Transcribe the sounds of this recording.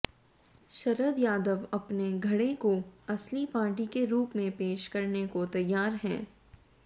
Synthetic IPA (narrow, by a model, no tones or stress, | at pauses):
ʃɐɾəd̪jaːd̪əʋɐpneɡʱɐɽekoɐslipãːʈikeɾuːpmẽpeːʃkɐɾnekot̪ɐjːaːɾɦɛ̰̃ː